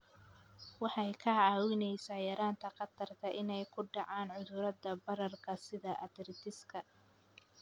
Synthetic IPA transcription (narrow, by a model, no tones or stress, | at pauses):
wɑħɑjkʰɐʕɑːwɪnɛjsaːjɐɾaːnt̪ʰɐqɐt̪ʰɐrt̪ʰɐʔɪnɛjkʰʊɖɑʕɑːnʕʊðʊɾɐd̪ɐbɐɾɐrkʰɐsɪðɐʔɐd̪ɪrt̪ʰɪskʰɐ